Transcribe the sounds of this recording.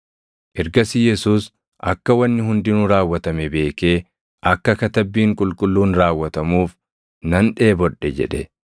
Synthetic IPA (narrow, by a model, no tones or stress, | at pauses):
ʔɛɾɡɐsɪjɛsuːs | ʔɐ̰kːɐwɐnːɪɦʊnd̪ɪnʊɾaːwːɐt̪ɐmɛbe̞ːke̞ː | ʔɐkːɐkɐt̪ɐbːiːŋkʼʊlkʼʊlːuːnɾaːwːɐt̪ɐmuːf | nɐnᶑe̞ːbɔᶑːɛd͡ʒɛ̰ᶑɛ